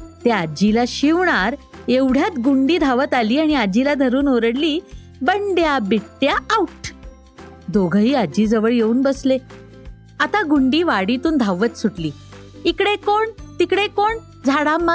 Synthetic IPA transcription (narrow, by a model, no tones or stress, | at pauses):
t̪ead͡ʑilaɕiʋɳaɾeʋɽ̤ʱjat̪ɡuɳɖiːd̪ʱaʋət̪aliːaɽ̃iad͡ʑilad̪ʱəɾuːnoɾəɽliː | bəɳɖjabiʈːjaːwʈ | d̪oɡʱəɦiːad͡ʑiːd͡zəʋəɭjeuːnbəsle | at̪aɡuɳɖiːʋaɽit̪uːnd̪ʱaʋət̪suʈliː | ikɽekoɳt̪ikɽekoɳ | d͡zʱaɽama